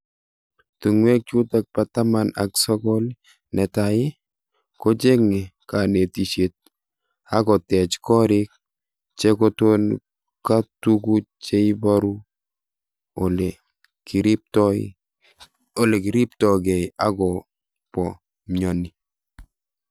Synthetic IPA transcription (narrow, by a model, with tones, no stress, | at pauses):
tu˨ŋwɛ˦k̚t͡ʃu˦tak̚pata˦ma˨na̰ksɔ˦kɔl | nɛ˨taɪ˦ | kot͡ʃe˦ŋe˨kane˨ti˨ʃe˨t̚ | aɡɔ˨tɛ˨t͡ʃkɔ˦ɾɪk̚ | t͡ʃekoton | katukut͡ʃeibaɾu˦ | ole | kiɾi˦p̚tɔɪ | o˨le˨ki˨ɾi˦p̚tɔɡɛ˨ja˦ɡɔ | pɔ˨ | mɔni˨